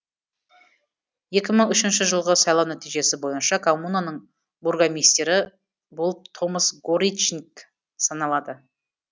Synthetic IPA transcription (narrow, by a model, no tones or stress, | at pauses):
je̞kʲɪməɴʏʃɪnʃɪʒəlˠʁəsɑjlˠɑwnæt̪ijʒe̞sɪbo̞jənʃɑkʰomːunanəɴ | burɡamijst̪e̞ɾɪ | bolˠpt̪ʰo̞məsɡoɾit͡ʃnk | sɑnɑlˠɑd̪ə